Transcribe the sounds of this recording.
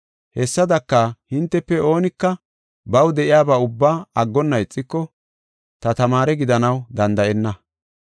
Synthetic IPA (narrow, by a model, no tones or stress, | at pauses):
hɛsːɐd̪ɐkːahɪnt̪ːɛpːɛo̞ːnɪkːɐ | bɐwd̪ɛʔɪjaːbaːʊbːaːɐɡːɔnːɐɪt͡sʼːɪkːɔ | t̪ɐt̪ɐmaːɾɛɡɪd̪ɐnɐwd̪ɐnd̪ɐʔɛnːɐ